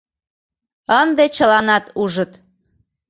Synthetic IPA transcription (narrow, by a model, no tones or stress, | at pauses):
ənd̪et͡ɕəlɑnɑt̪uʒət̪